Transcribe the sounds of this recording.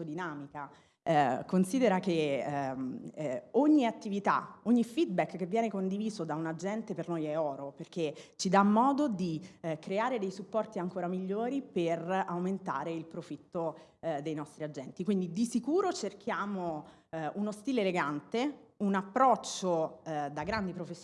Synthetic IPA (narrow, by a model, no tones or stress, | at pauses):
d̪inaːmika | konsiːd̪eɾake | oɲːiat̪ːivit̪a̰oɲːifid̪̚bɛkːevːjɛːnekond̪iviːzod̪aunad͡ʒɛnt̪epernojɛɔːɾoperk̟ːet͡ʃid̪amːɔːd̪od̪ikɾeaːɾed̪ejsupːɔrt̪iaŋkoːɾamiʎːoːɾiperawment̪a̰ːɾeilpɾofit̪ːod̪ejnɔst̪ɾiad͡ʒːɛnt̪ikwind̪id̪isikuːɾot͡ʃerk̟ʰjaːmo | unost̪iːleeleɡant̪eunapːɾɔt͡ʃːod̪aɡɾand̪ipɾofesː